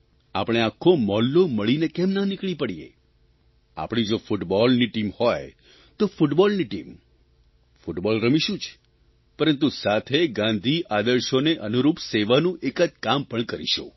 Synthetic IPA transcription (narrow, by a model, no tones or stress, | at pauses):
apəɽ̃eakʰːomɔlːoməɭinekɛmnanɪkɭ̃ipəɽiḛ | a̰pɽ̃id͡ʒofuʈbɔlniʈimhoj | t̪ofuʈbɔlniʈim | fuʈbɔlɾəmiʃũt͡ʃʰ | pəɾənt̪usat̪ʰeɡãnd̪ʱiʔad̪əɾʃoneʔənuɾupseʋanũʔekəd͡ʒkampəɳkəɾḭʃṵ̃